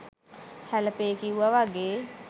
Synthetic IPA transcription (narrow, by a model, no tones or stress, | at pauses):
hæləpeːkiuʋaʋaɡeː